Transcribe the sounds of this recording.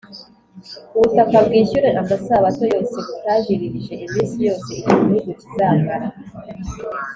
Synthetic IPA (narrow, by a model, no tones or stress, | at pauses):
uβutakabɡiːɕuɾeʔambasaβato̞jo̞ːseβutaɟiɾiɾiʒe̞ʔimiːnsijo̞ːseiciminuɡucizaːŋɡaɾa